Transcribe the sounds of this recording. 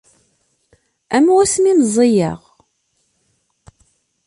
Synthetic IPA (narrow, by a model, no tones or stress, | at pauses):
æmwæsminzˤːijə̰ʁ